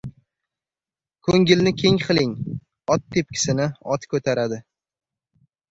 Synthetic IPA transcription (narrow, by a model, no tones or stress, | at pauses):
kʰɵŋɡʲɪlnɪkʲʰe̞ŋqʰɨlˠɪŋ | ɒt̪̚ːʰep̚kʲʰɪ̥sɪnɪɒt̪kʰɵt̪ʰaɾad̪ɪ